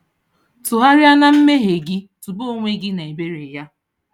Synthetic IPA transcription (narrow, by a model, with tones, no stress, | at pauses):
tʊ˨ɦa˦ɾɪ˦a˦na˦m̩˦me˦ɦe˨ɡɪ˦tu˨bo˦o˦˨ŋʷe˦ɡɪ˦na˨e˨be˦ɾe˨ja˦